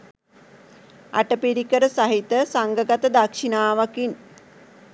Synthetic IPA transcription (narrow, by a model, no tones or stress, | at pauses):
a̰ʈəpiɾikəɾəsaɦit̪əsaŋɡəɡat̪əd̪akʂinaːʋakin